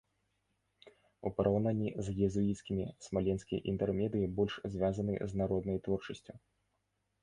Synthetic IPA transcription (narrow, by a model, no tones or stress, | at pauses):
ṵpɐɾʔawnanʲːizjʲɛzuit̪skʲimʲismalʲɛnskʲɐj̰ʔḭnt̪ɛrmʲɛd̪ɨjibɔlʲʂzʲvʲjazɐnɨ̰znaɾɔd̪nɐjt̪vɔrt͡ʂɐsʲt͡sʲu